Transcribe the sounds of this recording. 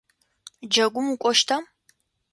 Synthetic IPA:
d͡ʒɐɡʷʊmukʷʼɔʃtʰɐm

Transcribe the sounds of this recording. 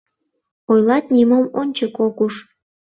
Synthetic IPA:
ojlˠɑt̪̚nʲimomonʲt͡ɕəkokuʃ

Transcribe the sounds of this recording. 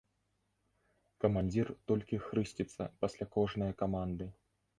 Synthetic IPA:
kɐmanʲd͡zʲirt̪ɔlʲkʲixɾɨsʲt͡sʲit̪sːɐ̰pasʲlʲakɔʐnɨjɐkamand̪ɨ

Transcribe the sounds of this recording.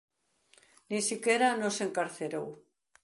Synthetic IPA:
nisikeɾanoseŋkaɾθeɾow

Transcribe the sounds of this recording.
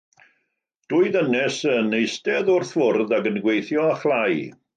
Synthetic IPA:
d̥ʊːɨðənɛsənejstɛðʊrθvʊrðaɡənɡwejθjɔaχlˠaj

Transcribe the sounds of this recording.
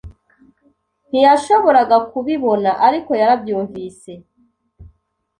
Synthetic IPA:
n̥ijaʃo̞βo̞ɾaɡakuβiβo̞naʔaɾiko̞jaɾabjuːɱviːse̞

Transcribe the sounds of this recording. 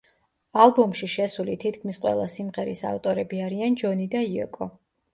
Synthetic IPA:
alˠbɔmʃiʃɛsulit̪ʰit̪̚ʰkʰmisqʼwɛ̰lˠasimʁɛɾisa̰ft̪ʼɔɾɛbiaɾiand͡ʒɔnid̪aiɔ̰kʼɔ

